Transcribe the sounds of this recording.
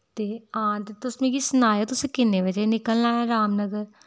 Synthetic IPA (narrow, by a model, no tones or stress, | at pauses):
t̪eːɦãːt̪et̪ʊsmẽkisʊnaːjot̪ʊsẽkɪnːeʋəd͡ʒenɪkəlnãːãɾaːmnəɡəɾ